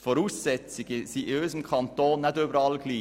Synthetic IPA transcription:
fɔɾuːsːɛt͡sɪɡəsiøːsəm̩kʰɑnt̪oːnːɛdøbəɾɑlɡ̥liː

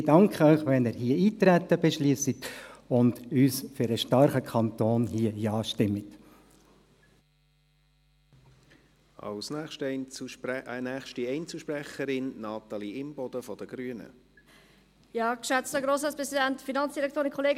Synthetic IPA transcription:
d̥ɑŋkʰχəœʏχʋɛnɪːɾhiːəiːt̪ɾɛt̪ːəbeʃliəsitʊndyːsfyɾəʃtɑɾχəkʰɑnt̪oːnɦiːəjɑːʃtɪmːət | ɑ̰lsnɛʃtunæːχʃtiɛɪnt͡suʃpɾɛχəɾɪnːɑːt̪ɑliɪmb̥ɔd̥̪əfɔd̥əɡ̥ɾyənə̰ | jɑːkʃɛt͡stəɡɾoːsɑspɾʁɛsidɛntfinɑnsd̥iɾɛkt̪ʰoːɾɪnkʰɔleːɡ

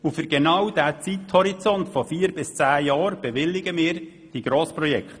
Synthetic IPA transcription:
ufʏɾɡenɑwd̥æːt͡sithɔɾit͡sɔntfɔfiːəɾbɪst͡sæːjɑːɾb̥ɛʋɪlːɪɡəmɪːɾ | d̥iɡ̥ɾoːspɾɔjɛkχt̪

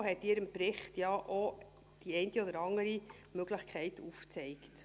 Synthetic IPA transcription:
ɦɛtːiːɾɪmpɾɪχtjɑʔo | d̥iɛɪntiɔdəɾɑŋəɾi | møɡ̥ləχkʰχɛɪtuft͡sɛɪkt

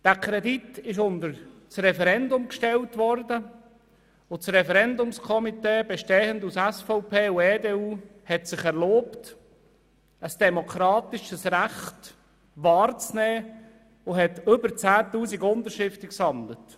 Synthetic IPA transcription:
d̥æːkʰɾɛditɪʃʊnd̪əɾt͡srɛfɛɾɛndʊmkʃtɛltʋɔrdə | ʊt͡sɾɛfɛɾɛndʊmskʰɔmiteːbɛʃteːəndusæsfɔʊpʰeːuɛːdeːuːhɛtsɪχɛɾloːpt | əsd̥ɛmokʰɾɑːt̪ɪʃəsræχt | ʋɑːɾt͡snɛː | ʊɦɛtʏbəɾt͡sæːtuːsiɡʊnd̪əɾʃɪft̪əksɑndlət

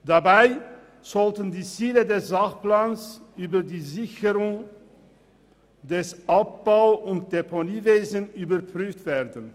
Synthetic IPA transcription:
d̥abaɪ | z̥ɔltən̩diːt͡siːlədɛsz̥aχplaːnsʔyːbɐdiːzɪçəʁʊŋ | dɛsʔap̚b̥aʊʊnt̚d̥epʰoliːveːzən̩yːbɐpʁ̥yːftv̥eːɐdən̩

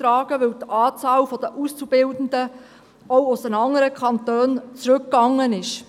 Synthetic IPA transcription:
ɾɑːɡəʋɪwtʔɑːt͡sɑːlfɔd̥̪əʔust͡sub̥ɪldən̩də | ɔʊʊsənɑŋəɾəkʰχɑnt̪øːnt͡sɾɵkːɑŋːənɪʃ

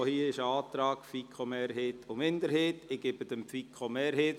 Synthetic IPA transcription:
ohiːəɪʃəɑːt̪ɾɑːkfikʰχomeːɾɦeːtʰʊmɪndəɾheːtɪɡ̥ɪbədəmpfikʰχomeːɾɦeːt

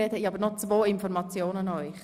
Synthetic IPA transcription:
ɛthɛiɑbəɾnɔt͡svoːɪnfɔrmɑt͡sjoːnənœʏχ

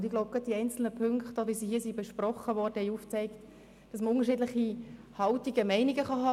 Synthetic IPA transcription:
d̪ɪɡloʊp̚ɡ̥ɑt̚d̥iɛɪnt͡sl̩nəpʰʏŋkχtoʋisiɦiːsibeʃprɔχəʋɔrd̥əhɛjuft͡sɛɪkt | d̥ɑsməʊŋəɾʃiːdləχi | hɑltiɡəmɛɪniɡəχɑɦɑː

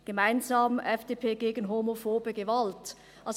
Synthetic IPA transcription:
ɡ̥əmaɪnzɑːmɛfd̥eːpʰeːɡeːɡən̩ɦomofoːbəɡəvalt | ʔɑls

